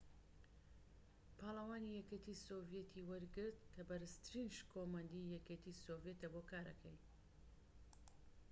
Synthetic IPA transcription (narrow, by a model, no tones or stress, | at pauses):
pʰaːlˠɐwaːnijɛkʲet̪ʰisovjet̪ʰiwɐɾɡɨɾt̪kʰɐbɐɾɨst̪ɾinʃkʰoːmɐnd̪ijɛkʲet̪ʰisoːvjet̪ɐboːkaːɾɐ̰kʰɛ̰j